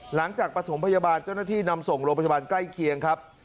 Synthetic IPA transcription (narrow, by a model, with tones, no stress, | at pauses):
la˩˦ŋt͡ɕaː˨˩k̚pɾa˧t̪ʰo˩˦mpʰa˧jaː˧baː˧nt͡ɕa˥˩wnaː˥˩t̪ʰiː˥˩na˧mso˨˩ŋɾoː˧ŋpʰja˧baː˧nkla˥˩jkʰi˧əŋkʰa˦˥p̚